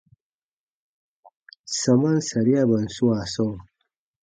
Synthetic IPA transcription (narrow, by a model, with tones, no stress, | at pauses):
sɐ˨mɐ˦nsɐ˨ɾja˦bɐ˨nsu˦a˨so˦w